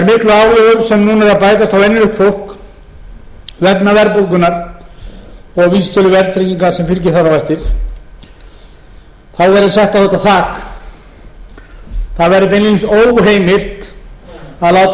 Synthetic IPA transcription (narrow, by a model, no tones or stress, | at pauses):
ɛɾmɪhklʏaːwlɛɣʏɾsɛmnuːnɛɾaðpaːjt̪ast̪awɛnːɪlʏht̪fowl̥k | vɛknavɛɾpolkʏnaɾ | ɔɣviːst̪œlʏvɛɾðt̪fɾeciŋkasɛmfɪlcɪ̥θaɾavɛjht̪ɪɾ̥ | θaðvɛɾðʏsɛht̪aɔt̪aθaːk | θaðvɛɾɪp̪̬enlilinsoːwɦeːjmɪr̥t̪ | aðlaːwt̪